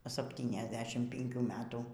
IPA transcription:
ˌsɑːpʲtʲiːnʲɛzʲˈdʲæːʃʲɪm pʲɪŋʲˈkʲuː ˈmʲæːtuː

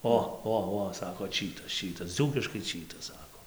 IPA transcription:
ˈoː ˈoː ˈoː ˈsɑːkoː ˈt͡ʃʲiːtɐs ˈt͡ʃʲiːtɐs ˈd͡zuːkʲɪʃkɐɪ ˈt͡ʃʲiːtɐs ˈsɑːkoː

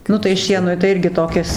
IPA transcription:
ˈnʊ tɐɪ ˈʃʲiɛnʊɪ tɐɪ ˈɪrʲɡʲɪ toːˈkʲɪs

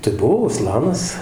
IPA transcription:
tɐɪ ˈbʊʋoː ʊˈslˠɑːnɐs

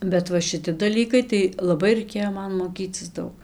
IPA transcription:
bʲɛt ˈʋɐ ʃʲɪˈtʲɪ dɐˈlʲiːkɐɪ tɐɪ lˠɐˈbɐɪ rɐɪˈkʲeːjoː ˈmɐn moːˈkʲiːt͡sʲɪs ˈdɐʊk

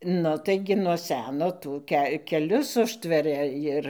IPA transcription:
ˈnʊ tɐɪˈɡʲɪ nuɔ ˈsʲæːnoː ˈtuː kʲɛ kʲɛˈlʲʊs ˈʊʃʲtʲʋʲɛrʲɛ ˈjɪr

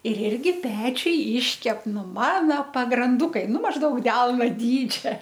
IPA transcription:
ɪr ˈɪrʲɡʲɪ ˈpʲæːt͡ʃʲʊj ˈiːʃʲkʲɛp ˈnʊ mɐnoː pɐɡrɐnˈdʊkɐɪ ˈnʊ mɐʒˈdɐʊk ˈdʲɛlˠnoː ˈdʲiːd͡ʒʲɛ

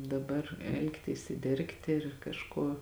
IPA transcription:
dɐˈbɐr ˈɛlˠktʲiːs ɪr ˈdʲɛrktʲɪ ɪr kɐʃˈkuɔ

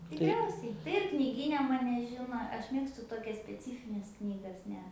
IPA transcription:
tʲɪkˈrʲɛʊsʲɛɪ tɐɪ ɪr knʲɪˈɡʲiːnʲɛ ˈmɑːnʲɛ ˈʒʲɪnoː ˈɐʃ ˈmʲeːkstʊ toːˈkʲɛs sʲpʲɛˈt͡sʲiːfʲɪnʲɛs ˈknʲiːɡɐs ˈnʲɛ

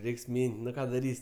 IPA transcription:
ˈrʲɛɪks ˈmʲiːnʲtʲ nʊ ˈkɑː dɐˈrʲiːsʲ

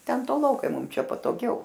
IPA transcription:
ˈtʲɛn toːˈlˠoːkɐɪ ˈmʊm ˈt͡ʃʲɛ pɐtoːˈɡʲɛʊ

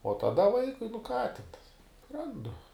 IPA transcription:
oː tɐˈdɐ ˈʋɐɪkʊɪ nʊ kɑː tʲɪn ˈrɐndʊ

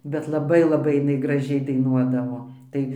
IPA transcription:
bʲɛt lˠɐˈbɐɪ lˠɐˈbɐɪ ɪˈnɐɪ ɡrɐˈʒʲɛɪ dɐɪˈnuɔdɐʋoː ˈtɐɪ

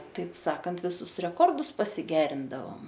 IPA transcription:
tɐɪp ˈsɑːkɐnt ʋʲɪˈsʊs rʲɛˈkoːrdʊs pɐsʲɪˈɡʲæːrʲɪndɐʋoːm

